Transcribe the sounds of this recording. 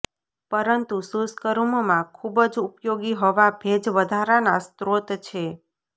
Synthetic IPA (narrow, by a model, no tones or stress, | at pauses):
pəɾənt̪ususkəɾummãkʰubəd͡ʒupjoɡiɦoʋabʱed͡ʒʋəd̪ʱaɾanast̪ɾot̪t͡ʃʰe